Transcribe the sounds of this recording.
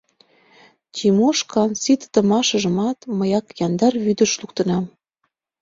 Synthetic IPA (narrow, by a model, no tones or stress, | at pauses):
t͡ɕʲimoʃkɑnsit̪t̪ə̆mɑʃɤ̆ʒə̆mɑt̪məjɑkjɑnd̪ɑrβyd̪ə̆ʃluk̚t̪ə̆nɑm